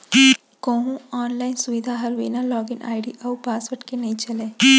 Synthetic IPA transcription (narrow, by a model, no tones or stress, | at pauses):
kõːɦũaːnlaːɪnsʊʋɪd̪ʱaːɦɐlʋḛːnalɔːɡɪnʔa̰ːjɽiʔɐʋpaːsʋɐʈkenɐĩt͡ʃɐleː